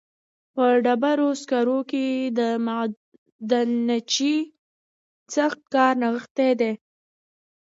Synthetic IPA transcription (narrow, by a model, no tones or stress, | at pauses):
pəɖabaɾoskaɾoked̪ə | d̪ənat͡ʃi | saxt̪̚kɑɾnaɣəxt̪ed̪e